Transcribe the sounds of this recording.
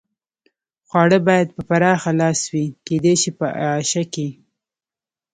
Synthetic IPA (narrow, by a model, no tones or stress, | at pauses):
xwɑɽəbɑjad̪̚pəpaɾɑxalɑswiked̪eʃipəaaʃake